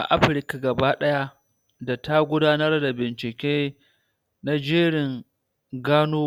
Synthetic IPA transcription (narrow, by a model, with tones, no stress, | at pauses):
ʔa̰˨ʔa˦ɸɾɪ˦ka˨ɡɐ˨baː˦ɗɐ˦ja˦ | da˨ta˦ɡʷʊ˦daː˦nɐ˦rda˨bɪ˨nt͡ʃɪ˨kʲeː˦ | na˦d͡ʒeː˦ɽɪ˨ŋ | ɡaː˦noː˦